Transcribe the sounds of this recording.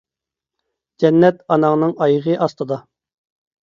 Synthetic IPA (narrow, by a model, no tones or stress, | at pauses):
d͡ʒɛnːɛt̪ɑnɑŋnɨŋɑjəʁəʔɑst̪ɨd̪ɑ